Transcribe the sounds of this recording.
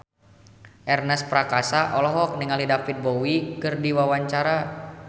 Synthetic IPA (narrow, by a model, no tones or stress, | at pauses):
ʔɛrnɛspɾakasaʔɔlɔɦɔk̚niŋalidafit̪̚bowikɨrdiwawaɲt͡ʃaɾa